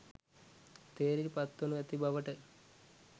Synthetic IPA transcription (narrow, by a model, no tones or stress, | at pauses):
t̪eːɾiɾpɐt̪ːonuet̪ibɐʋɐʈə